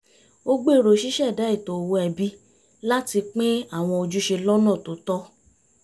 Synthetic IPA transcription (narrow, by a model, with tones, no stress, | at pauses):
o˦ɡ͡be˦˨ɾo˨ʃi˦ʃɛ˦˨da˨˦i˦˨to˨o˨wo˧ɛ˧bi˦ | la˦ti˧k͡pĩ˦a˦˨w̃ɔ̃˧o˧d͡ʒu˦ʃe˧lɔ˦nɔ̃˦˨to˨˦tɔ˦